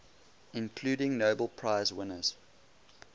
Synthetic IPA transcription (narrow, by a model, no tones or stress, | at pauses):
ɪ̃nkʰl̥ʉːɾɪ̃ŋnoʊbəlˠpʰɹ̥aɪzwɪ̃nəz̥